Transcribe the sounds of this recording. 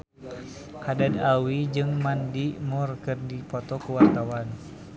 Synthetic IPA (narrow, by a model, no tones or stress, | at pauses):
kadadawid͡ʒɨŋmandimurkɨrdipɔt̪ɔkuwart̪awan